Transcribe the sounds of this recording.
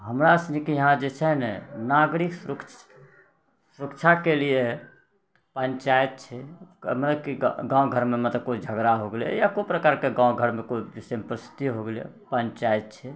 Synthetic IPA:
ɦəmɾaəsnikijɦãd͡ʒet͡ʃʰɛɦnɛnaɡɾiksɾəkt͡ʃ | suɾəkt͡ʃʰakelie | pənt͡ʃaet̪̚t͡ʃʰɛmət̪ləbkiɡãwɡʱəɾmemət̪ləb̚kod͡ʒʱəɡɾaɦoɡelɛ̰jakopɾəkaɾkeɡãwɡʱəɾmekoibisempɾəst̪iɦoɡelɛ̰ | pənt͡ʃaet̪̚t͡ʃʰɛ

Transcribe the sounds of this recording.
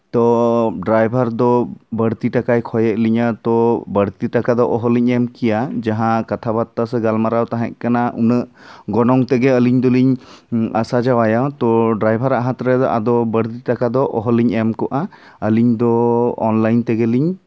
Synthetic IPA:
t̪ɔɖɾajbʱaɾd̪ɔbəɽt̪iʈakajkʰɔjɛʔliɲat̪ɔbəɽt̪iʈakad̪ɔʔɔɦɔliɲɛmkijad͡ʒaɦãkat̪ʰabat̪ːasɛɡalmaɾawt̪aɦɛ̰̃ʔ̚kanaʔunəʔɡɔnɔŋt̪ɛɡɛəliɲd̪ɔliɲasad͡ʒawajawt̪ɔɖɾajbʱaɾaʔɦat̪ɾɛd̪ɔʔa̰d̪ɔbəɽt̪iʈakad̪ɔʔɔɦɔliɲɛmkɔʔa | əliɲd̪ɔ̰ːnlajnt̪ɛɡɛliɲ

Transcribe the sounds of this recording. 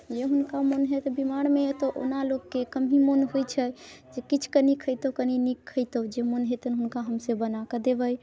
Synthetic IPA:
d͡ʒeɦunkamonɦet̪bimaɽ̃met̪ɔʔo̰nalokːekəmimonɦojt͡ʃʰəd͡ʒekit͡ʃʰkənikʰəjt̪okəninikʰːəjt̪od͡ʒemonɦet̪ənɦunkaɦəmsəbənakəd̪ebəj

